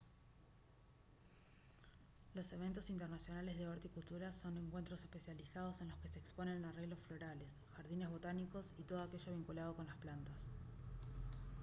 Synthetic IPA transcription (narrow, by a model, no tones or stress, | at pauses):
lo̞se̞β̞e̞nt̪o̞sint̪ernasjo̞nale̞zðeoɾt̪eikult̪uɾaso̞ne̞ŋkwe̞nt̪ɾo̞se̞hpe̞sjalisaðo̞se̞nlo̞ske̞se̞ːkspo̞ne̞nareɣlosflo̞ɾale̞s | xaɾðine̞zβ̞o̞t̪aniko̞sit̪oðoake̞ʒo̞β̞iŋkulað̞o̞ko̞nlasplant̪as